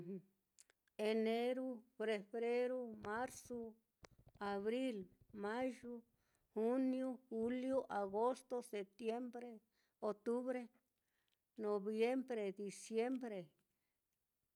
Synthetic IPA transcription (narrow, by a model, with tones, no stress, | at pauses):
e˧ne˦ɾu˦fɾe˧βɾe˦ɾo˦mã˦ɾso˧ | a˨βɾi˦lmã˦ʒu˦ | hu˦njo˦xu˦ljo˦ʔa˨ɣo˦st̪o˦se˨p̚t̪je˦mbɾe˦ | o˧t̪u˦βɾe˦ | nõ˨βje˦mbɾe˨d̪i˨sje˦mbɾe˨